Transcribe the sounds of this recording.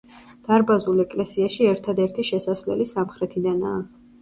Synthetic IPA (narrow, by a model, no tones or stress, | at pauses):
d̪̥aɾbazulɛkʼlɛsiaʃiɛɾt̪ʰad̪ɛɾt̪ʰiʃɛsasvlɛ̰lisamχɾɛt̪ʰid̪ana̰ː